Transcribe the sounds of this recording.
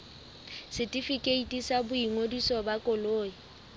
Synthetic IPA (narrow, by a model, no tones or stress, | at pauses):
sɪtʼifikʼeitʼisabʊiŋodisɔbakʼʊloːi